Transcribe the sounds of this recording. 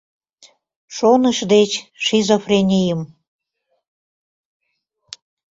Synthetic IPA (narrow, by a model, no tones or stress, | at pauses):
ʃonəʃd̪et͡ɕʃizofrenʲijəm